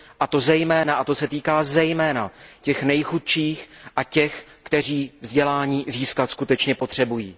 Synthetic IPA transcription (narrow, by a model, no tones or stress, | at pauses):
ʔat̪o̞zɛjmɛːnaʔat̪o̞sɛt̪iːkaːzɛjmɛːna̰cɛxnɛjxut̪ʃiːxʔacɛx | kt̪ɛr̝iːvzɟɛlaːɲiːziːskat̪skut̪ɛt͡ʃɲɛpo̞t̪r̝̥ɛbujiː